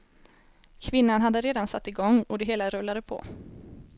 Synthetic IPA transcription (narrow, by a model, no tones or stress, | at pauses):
kʰvɪnːanɦad̪ːəɾeːd̪ansat̪ːɪɡɔŋːɔd̪ɛɦeːlaɾɵlːad̪əpʰɔ̰